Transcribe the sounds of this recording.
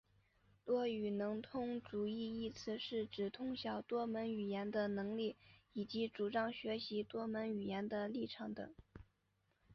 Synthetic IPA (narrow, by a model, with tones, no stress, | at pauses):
lwɔ˥y˨˩nɤ˧˥ŋt̪ʰʊ˥ŋʈ͡ʂu˨˩i˥˧i˥˧t͡sʰɹ̩˥˧ʂɻ̩˥˩ʈ͡ʂɻ̩˨˩t̪ʰʊ˥ŋɕjɑ˨˩ʊt̪wɔ˥mə˧˥ny˨˩jɛ˧˥nd̪ə˧nɤ˧˥ŋli˥˩i˨˩t͡ɕi˧˥ʈ͡ʂu˨˩ʈ͡ʂɑ˥ŋɕɥɛ˧˥ɕi˧˥t̪wɔ˥mə˧˥ny˨˩jɛ˧˥nd̪ə˧li˥˩ʈ͡ʂʰɑ˨˩ŋd̪ɤ̰˨˩˦ŋ